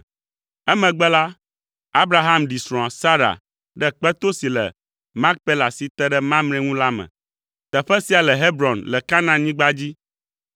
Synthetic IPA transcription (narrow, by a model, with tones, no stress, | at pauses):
ɛ˦mɛ̃˨ɡ͡bɛ˦la˦ | a˦bɾa˨ɦa˦mɖi˨sɾɔ̃˨ã˨sa˦ɾa̰˨ | ɖɛ˦k͡pɛ˦t̪o˦si˨lɛ̰˨ | mã˦k̚pɛ˦la˨si˨t̪ɛ˦ɖɛ˦mã˦mñẽ˦ŋũ˦la˦mɛ̰̃˨ | t̪ɛ˨ɸɛ˦si˨a˨lɛ˨ɦe˦bɾɔ̃˨nlɛ˨ka˦nã˨ɲĩ˦ɡ͡ba˦d͡ʑi˦